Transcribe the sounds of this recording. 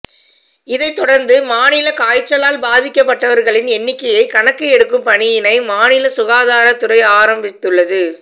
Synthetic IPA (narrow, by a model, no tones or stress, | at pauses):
ɪðɐɪt̪ːɔɽɐɾnd̪ɯmaːnɪlɐkaːjt͡ʃːɐlaːlbaːðɪkːɐpːɐʈːɐʋɐɾɣɐɭɪnɛnːɪkːɐjɐɪkɐɳɐkːɯɛɽɯkːɯmpɐɳɪjɪnɐɪmaːnɪlɐsʊɣaːðaːɾɐt̪ːɯɾɐɪaːɾɐmbɪt̪ːɯɭːɐðɯ